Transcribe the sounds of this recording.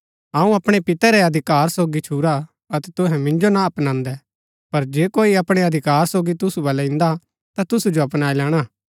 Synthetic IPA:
ãːũɐpɽ̃epɪt̪ɛɾɛɐd̪ʱɪkaːɾsoːɡit͡ʃʰuːɾa | ɐt̪ɛt̪ʊɦɛ̃mɪ̃nd͡ʒonaɐpnãːnd̪ɛ | pɐɾd͡ʒeːkoːiɐpɽ̃ɛɐd̪ʱɪkaːɾsoːɡit̪ʊsubɐlɛɪ̃nd̪a | t̪at̪ʊsud͡ʒoɐpnaːilɛːɽ̃a

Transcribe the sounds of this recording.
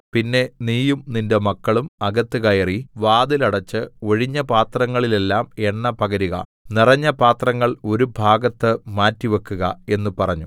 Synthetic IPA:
pinːe̞niːjumninde̞mɐkːɐɭumɐɡɐt̪ːɨkɐjɐriʋaːd̪ilɐɽɐt͡ɕːɨo̞ɻiɲːɐpaːt̪rɐŋːɐɭile̞lːaːme̞ɳːɐpɐɣɐɾiɣɐ̰ | nirɐɲːɐpaːt̪rɐŋːɐɭo̞ɾubʱaːɡɐt̪ːɨmaːtːiʋɐkːuɣɐe̞nːupɐrɐɲːu

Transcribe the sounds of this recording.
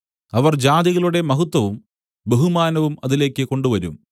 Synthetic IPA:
ɐʋɐrd͡ʑaːd̪iɣɐɭuɽe̞mɐɦut̪ːwɐʋum | beɦumaːnɐʋumɐðile̞ːkːɨko̞ɳɖuʋɐɾum

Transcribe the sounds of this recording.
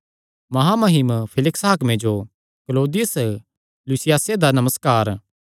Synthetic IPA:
mɐɦamɐɦɪmpʰɪlɪksɦaːkmẽd͡ʒo | kloːd̪ɪjəs | lusɪjaːsed̪anɐməskaːɾ

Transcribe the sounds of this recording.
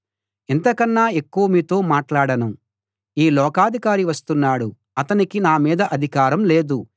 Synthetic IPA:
ent̪ɐkɐnːaːe̞kːuʋɐmiːt̪o̞ːmaːʈlaːɽɐnu | iːlɔːkaːd̪ʱikaːɾiʋɐst̪unːaːɽu | ɐt̪ɐnikinaːmiːd̪ɐʔɐd̪ʱikaːɾɐmle̞ːd̪u

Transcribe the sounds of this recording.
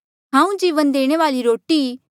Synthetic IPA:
ɦãːũd͡ʒiʋə̃nd̪eːɽ̃eʋaːliɾoːʈi

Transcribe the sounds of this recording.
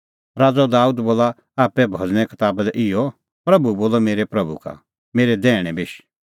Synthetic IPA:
ɾaːd͡zɔd̪aːuːd̪boːla | aːpɛbʱɔd͡zɽ̃ɛ̃kɪt̪aːbd̪ɛʔɪjɔ | pɾɐbuboːlɔmeːɾɛpɾɐbṵka̰ | meːɾɛd̪ɛːɽ̃ɛ̃bɪʃ

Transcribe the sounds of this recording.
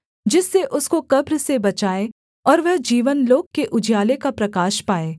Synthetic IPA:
d͡ʒɪsːeʔʊskokɐbɾsebɐt͡ʃaːe | ɔːɾʋɐɦd͡ʒiːʋənloːɡ̚keʔʊd͡ʒjaːlekapɾɐkaːʃpaːeː

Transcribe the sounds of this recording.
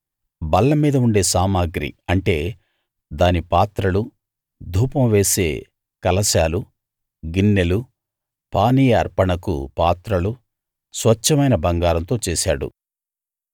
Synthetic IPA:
bɐlːɐmːiːd̪ɐuɳɖe̞ːsaːmaːɡɾḭɐɳʈe̞ː | d̪aːnipaːt̪ɾɐlu | d̪ʱuːpɐmʋe̞ːse̞̰ː | kɐlɐsaːlu | ɡinːelu | paːnijɐɐ̰ɾpɐɳɐkṵpaːt̪ɾɐlu | sʋɐt͡ʃːɐmɐjnɐbɐŋɡaːɾɐnt̪o̞ːt͡ʃeːsa̰ːɽṵ

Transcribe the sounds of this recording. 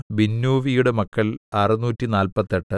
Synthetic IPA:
binːuːʋijuɽe̞mɐkːɐlɐrɐnuːtːinaːlpɐt̪ːeʈːɨ

